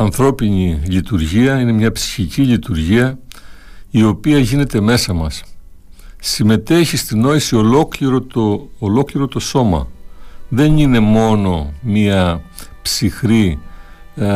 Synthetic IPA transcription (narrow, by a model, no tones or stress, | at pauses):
ɐnθɾo̞piɲilit̪uɾʝiɐine̞mɲɐpsi̥çicilit̪uɾʝiɐ | io̞piɐʝine̞t̪e̞me̞sɐmɐsː | ime̞t̪e̞çist̪ino̞isio̞lo̞kliɾot̪oolo̞kliɾo̞t̪o̞so̞mɐ̰ðe̞nine̞mo̞no̞miɐpsixɾi